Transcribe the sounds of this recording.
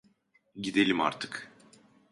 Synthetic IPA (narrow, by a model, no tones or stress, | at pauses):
ɟid̪elʲima̰ɾt̪ʰɯ̥k